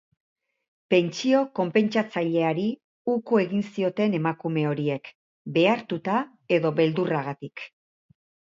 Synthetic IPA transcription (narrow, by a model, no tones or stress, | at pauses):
pe̞nt͡ʃio̞ko̞mpe̞nt͡ʃat͡saʎe̞aɾi | ukue̞ɣinsio̞t̪e̞ne̞makume̞o̞ɾie̞k | be̞aɾt̪ut̪a | e̞ðo̞βe̞ld̪uraɣat̪ik